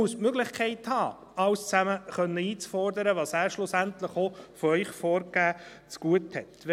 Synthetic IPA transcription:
usmøɡlɪχkʰɛɪthɑː | ɑwst͡sæməχœnːəiːt͡sfɔɾdəɾəʋɑːsæːɾʃlʊsæntləχofɔœʏχfɔːɾɡ̥æː | t͡sɡ̥uəthɛtʋ

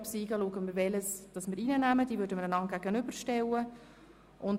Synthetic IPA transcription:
psiːɡəluəɡənmɪɾvɛləsd̥ɑsmɪːɾiːnənæməd̥iːvʏɾdəməɾənɑŋɡ̥æɡənʏbəɾʃtɛwə | ʔʊn

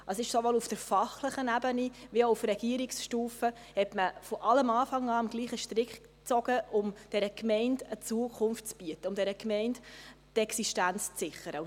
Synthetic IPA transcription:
əsɪʃsoʋɔlufd̥əɾfɑχləχənæbəniʋioufɾɛɡ̥iəɾiksʃtuːfə | hɛtməfɔʔɑləmɑːfɑŋɑːɑmɡ̥liːχəʃtɾɪkχ | t͡sɔɡəʔʊmd̥ɛɾəkmɛɪndət͡suəkʰʊnftt͡sb̥yətəʊmdɛɾəkmɛɪndtɛksiʃtænt͡st͡sɪχəɾə

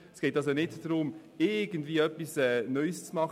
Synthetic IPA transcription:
sɡ̥eːtɑsonɪtdɾʊm | ɪɡəndviːœpisɛːnœʏst͡smɑχ

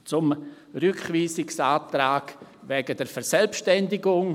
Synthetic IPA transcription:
t͡sʊm | ɾʏkχviːsɪksaːtɾaːkvɛːɡədɛɾfɛɾsɛlpʃtɛndɪɡʊŋ

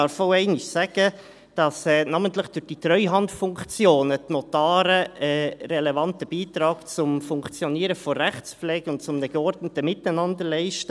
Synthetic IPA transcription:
ɑːɾfoʊɛɪnɪʃsæɡ̥ə | d̥ɑsɛːnɑːməntlɪχd̥ʊd̥itɾœʏɦɑntfʊŋkt͡sjoːnətnotɑːɾəɛɾɛlevɑntəb̥iːtɾɑːkt͡sʊmfʊŋkt͡sjɔniːɾəfɔːæχt͡spflɛːɡ̥əʊnt̚t͡sʊmnəɡ̥əɔɾdnətəmɪtaɪnɑndəɾlɛɪʃtə

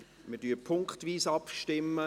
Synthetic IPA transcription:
mədyːpʰʊŋkχtviːsɑpʃtɪmːə

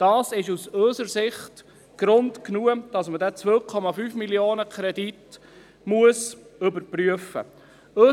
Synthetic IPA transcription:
d̥ɑːsɪʃusøsəɾsɪχt | ɡ̥ɾʊntknuːəd̥ɑsmədɛt͡sʋœːkʰɔmɑfyːfmiljoːnəkʰɾɛdit | muəsɵbəɾpryəfə̰ | ø

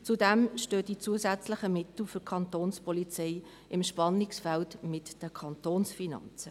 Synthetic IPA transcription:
t͡sudɛmʃtøːdit͡suəzæt͡sləχəmɪtl̩fʏkʰɑntoːnspɔlit͡seɪ | ɪmʃpɑnɪksfæltmɪtd̥əkʰɑntoːnsfinɑ̰nt͡sə

